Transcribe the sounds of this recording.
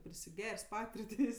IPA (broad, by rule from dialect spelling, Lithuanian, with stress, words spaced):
pʲrʲɪsʲɪˈɡʲɛrʲsʲ ˈpɑːtʲɪrʲtʲeːsʲ